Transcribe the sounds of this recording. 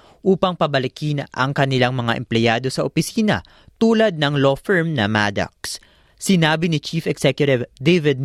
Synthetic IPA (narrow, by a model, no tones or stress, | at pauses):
ʔuːpɐŋpɐbɐlɪkinʔɐ̰ŋkɐnɪlaŋmɐŋaʔɛ̰mplɛjaːd̪o̞sɐʔopɪsiːnɐ̰ | t̪uːlɐd̪̚nɐŋlofɛɹmnɐma̰ːd̪ɐ̰k̚s | sɪnaːbɪnɪt͡ʃiːfɛɡsɛkjʊt̪ɪvd̪ejvɪd̪̚